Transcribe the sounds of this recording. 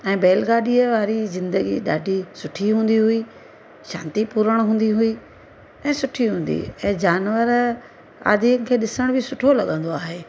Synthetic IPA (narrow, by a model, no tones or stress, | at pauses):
ɛ̃ːbeːlɡaːɗiəʋaːɾizɪ̃nd̪əɡḭɗaːɖʱisʊʈʰiɦũːn̆d̪iɦuiː | ʃa̰ːnt̪ipuɾəɽ̃ɦũːn̆d̪iɦui | ɛ̃ːsʊʈʰiɦũːn̆d̪ḭɛ̃ːd͡ʑaːnʋəɾ | a̰ːd̪ʱiənɪ̆kʰeːɗɪsəɽ̃bʱɪsʊʈʰolɐɠə̃nd̪oaːɦeː